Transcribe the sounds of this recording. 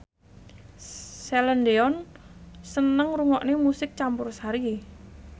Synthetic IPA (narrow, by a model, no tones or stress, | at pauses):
sɛləndeɔnsənəŋɾuŋɔʔnemusɪk̚t͡ʃampʊrsaɾi